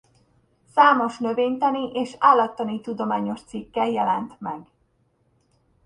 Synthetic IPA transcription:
saːmo̞ʃnø̞veːɲt̪ɛniʔeːʃaːlːɒt̪ːɒnit̪ud̪o̞maːɲo̞ʃt̪sikːɛljɛlɛnt̪mɛɡ

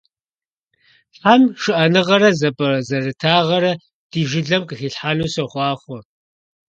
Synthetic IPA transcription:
ɬʼamʂɨʔɐnɨʁɐɾɐzɐpʼɐzɐrɨtʰaːʁɐɾɐ | d̥iːʒɪɮɐmqɨxiːɬħaːnuːsɐχʷɑːχʷɔ

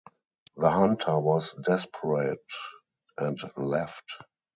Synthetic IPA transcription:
ðəhãntʰə˞wɔsdɛspʰəɹeɪt | ʔɛ̃ntlɛft

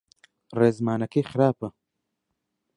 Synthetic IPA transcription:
reːzmaːnɐkeːxɾaːpɐ

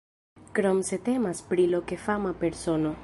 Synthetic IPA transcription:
kɾomse̞t̪e̞maspɾiloke̞famape̞ɾsono̞

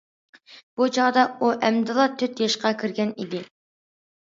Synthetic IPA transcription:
b̥ut͡ʃʰɑʁd̪ɑuʔæmd̪ɨlˠɑt̪ʰyt̪jɑʃqɑkʲʰiɾɡʲɛnid̪ɪ

